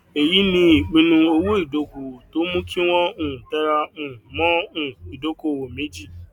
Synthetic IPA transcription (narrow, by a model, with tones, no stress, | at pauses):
e˨ji˨˦nĩ˧i˨k͡pĩ˦nũ˧o˦wo˦i˦˨do˨ku˨to˦mũ˦kʰĩ˦w̃ɔ̃˦ũ˦˨tɛ˦ɾa˦ũ˨mɔ̃˦ũ˦˨i˨do˦ko˨wo˨me˦d͡ʒi˦˨